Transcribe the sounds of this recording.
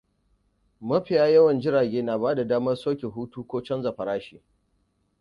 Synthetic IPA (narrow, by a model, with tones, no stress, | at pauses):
mɐ˦ɸɪ˨jaː˦jɐ˦wɐ˨nd͡ʒɪ˦ɾaː˨ɡʲeː˦na˨baː˦da˨daː˦mɐ˦rsoː˦kʲe˨ɦuː˦tuː˦kʷoː˦t͡ʃɐ˦nza˨ɸɐ˨ɾaː˦ʃiː˨